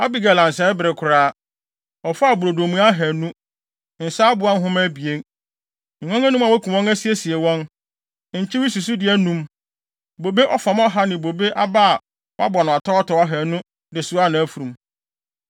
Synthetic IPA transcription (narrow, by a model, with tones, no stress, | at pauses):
a˦bi˦ɡa˨lã˨n˨sɛ˨˦bɪ˨ɾɪ˨kʰʊ˨ɾaː˦ | ɔ˨fʊ˦a˦˨bʊ˨ɾo˨do˨mũ˦a˦ɦæ˨nũ˦ | n̩˨saː˦bʊ˨˦a˦n˦ɦʊ̃˦mɛ̃˦bi˨ẽ˦˨ | ŋɔ̃˦ŋæ̃˦nũ˦ma˨wɔ˦kʰũ˨wɔ̃˦ŋæ˦si˦e˦si˨e˨wɔ̃˦n | ɲ̩˨t͡ɕʰɪ˦wi˦su˨s̬u˦dɪ˨˦æ˦nũ˦m | bo˨be˦ʔɔ˦fa˨m˦ɔ˦ɦa˦nɪ̃˨bo˨be˦ʔa˦ba˦a˨ | wʔa̰˦bɔ˨nʊ̃˨a˨tʰɔ˦ɔ˦tɔ˨wa˦ɦæ˨nʊ̃˦ | dɪ˨sʊ˨˦a˦˨nã˨˦fu˨ɾũ˨m